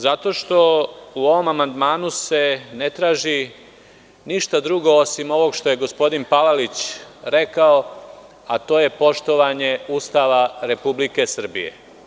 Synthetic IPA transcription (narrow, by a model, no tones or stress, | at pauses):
zat̪o̞ʃt̪o̞uo̞ʋo̞mamand̪maːnuse̞ne̞t̪ɾaːʒi | niʃt̪ad̪ɾuɡo̞osimo̞ʋo̞ɡʃt̪o̞je̞ɡo̞spo̞d̪inpalalit͡ɕɾe̞kao | at̪o̞ːje̞po̞ʃt̪o̞ʋaɲe̞uːst̪aʋaɾe̞publike̞sr̩bḭjḛ